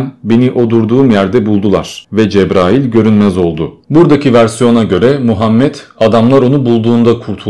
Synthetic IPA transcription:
nbe̞niʔo̞d̪uɾd̪uːmjæɾd̪ɛbulˠd̪ulˠaɾ̥vɛd͡ʒɛbɾaːjilʲɟø̞ɾynmɛzo̞lˠd̪ʊbuɾd̪acʰivæɾsijo̞naɟø̞ɾɛmuɦamːɛt̪ad̪amlˠaɾo̞nubulˠd̪uːnd̪akʰuɾt̪ʰu

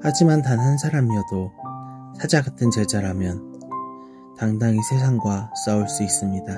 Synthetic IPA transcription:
had͡ʑimantanɦansʰaɾamiʌdo | sʰad͡ʑaɡatʰɯnt͡ɕed͡ʑaɾɦamjʌn | taŋdaŋisʰe̞s̬ʰaŋɡwas͈auɭs͈uis͈ɯmɲida

